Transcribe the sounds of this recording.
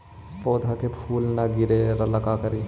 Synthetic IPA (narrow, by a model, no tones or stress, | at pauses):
poːd̪ʱakepʰuːlnaɡɪɾeɾɐləkakəɾi